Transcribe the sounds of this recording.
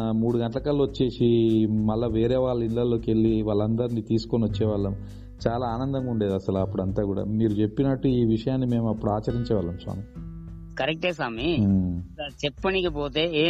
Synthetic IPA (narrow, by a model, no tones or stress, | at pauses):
muːɽuɡɐɳʈɐlɐkɐlːɐʋot͡ʃːe̞ːsimɐlːɐʋeːɾe̞ːʋaːɭːɐinlɐlːo̞ːke̞ɭːiʋaːɭːɐnd̪ɐɾinit̪iːsu̥koniʋɐt͡ʃːɛːʋaːɭːɐm | t͡ʃaːlaːaːnɐnd̪ɐŋɡuɳɖeːd̪ɐsɐlɐpːuɽɐnt̪aːkuːɽa̰ːmiːɾut͡ʃe̞pːinɐʈːuiːʋiʂɐjaːnːime̞ːmɐpːuɽuaːt͡ʃɐɾiɲt͡ʃɛːʋaːɭːɐmsa̰ːmi | kɐɾek̚ʈeːsaːmi | ɐt͡ʃɛpːɐnikipoːt̪e̞ː